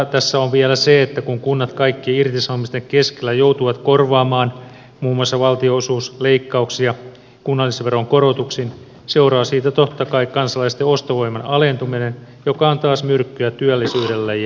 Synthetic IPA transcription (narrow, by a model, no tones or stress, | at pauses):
t̪æsːæonʋiælæseet̪ːækuŋkunːɑt̪kɑikːieirt̪isɑomist̪eŋkeskelːæjout̪uʋɑt̪korʋɑːmɑːn | muːmuɑsːɑʋɑlt̪ioosuːsleikːɑuksijɑ | kunːɑlːisʋeroŋkoɾot̪uksin | se̞uɾɑːsiːt̪æt̪ot̪ːɑkɑikkɑnsɑlɑist̪eost̪oʋo̞imɑnɑlent̪uminenjokɑont̪ɑːsmyrkːyæt̪yælːisyːdelːæj